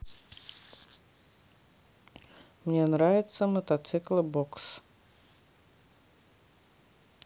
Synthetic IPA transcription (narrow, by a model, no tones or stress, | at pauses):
mnʲenɾavʲɪt̪səmət̪at̪sɨklˠəbɔks